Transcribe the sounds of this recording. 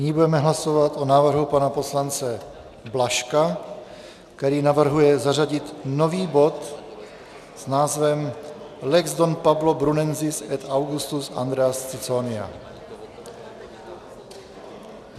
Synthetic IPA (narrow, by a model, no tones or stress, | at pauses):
ɲibudɛmɛɦlaso̞vat̪ʔonaːvr̩ɦupanapo̞slant͡sɛ | blaʃka | k̚t̪ɛɾiːnavr̩ɦujɛzaraɟɪt̪no̞viːbo̞t̪ | z̥naːzvɛm | lɛɡzd̪onpablobɾunɛnzɪsɛt̪awɡust̪usa̰nd̪ɾɛast͡sɪt͡sonɪa̰